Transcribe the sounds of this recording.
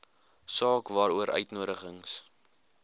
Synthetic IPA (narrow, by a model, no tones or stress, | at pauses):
sɑːkvɑːɾuəɾœ̰ɥtnuəɾəχəŋs